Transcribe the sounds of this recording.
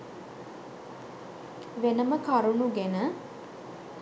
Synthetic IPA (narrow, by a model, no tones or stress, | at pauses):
ʋenəməkaɾunuɡenə